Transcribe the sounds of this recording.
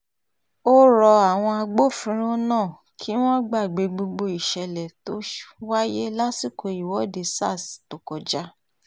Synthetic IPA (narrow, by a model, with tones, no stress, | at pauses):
o˦ɾɔ˧a˨w̃ɔ̃˧a˧ɡ͡bo˦˨fĩ˧˦ɾ̃o˦nãː˦˨ | kʰi˦w̃ɔ̃˦ɡ͡ba˦˨ɡ͡be˨ɡ͡bo˧ɡ͡bo˧i˨ʃɛ˧lɛ˨to˦ʃwa˦je˦la˦si˦˨kʰo˧i˨wɔ˨˦de˧sa̰˦˨sto˨kɔ˨d͡ʒa˦